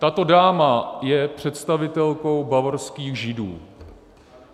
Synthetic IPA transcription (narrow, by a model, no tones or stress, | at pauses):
t̪at̪o̞daːmajɛpr̝̥ɛt̪st̪avɪt̪ɛlko̞wbavoɾskiːxʒɪdṵː